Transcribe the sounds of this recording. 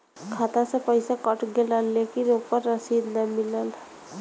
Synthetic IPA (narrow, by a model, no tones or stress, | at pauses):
kʰaːt̪ãsepəɪsakəʈɡeləlːekinoːpəɾːəsiːd̪nəmɪləl